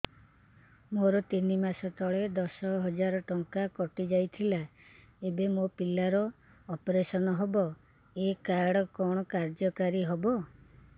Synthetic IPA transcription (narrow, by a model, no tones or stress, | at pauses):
moɾɔt̪inimasɔt̪ɔɭed̪ɔsɔɦɔd͡ʒaɾɔʈɔŋkakɔʈid͡ʒajt̪ʰila | ebemopilaɾɔː | pɔɾesɔnɔɦɔbɔ | ekaɽɔkɔɽ̃ɔkaɾd͡ʒɔkaɾiɦɔbɔ